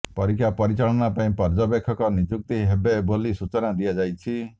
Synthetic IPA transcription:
pɔɾikʰjapɔɾit͡ʃaɭɔnapaĩpɔɾd͡ʒɔbekʰːɔkɔnid͡ʒuk̚t̪iɦebebolisut͡ʃɔnad̪ijad͡ʒajt͡ʃʰi

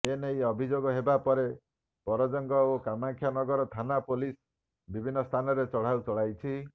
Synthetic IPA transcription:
enejɔbʱid͡ʒoɡɔɦebapɔɾe | pɔɾɔd͡ʒɔŋɡɔokamaŋkʰjanɔɡɔɾɔt̪ʰanapolis | bibʱinːɔst̪ʰanɔɾet͡ʃɔɽ̤awt͡ʃɔɭajt͡ʃʰi

